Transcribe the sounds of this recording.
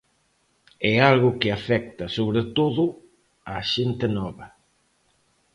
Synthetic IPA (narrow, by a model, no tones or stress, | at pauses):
ɛalɣʊkɪafɛk̚t̪ɐsoβɾet̪oðʊ | aʃent̪ɪnɔβɐ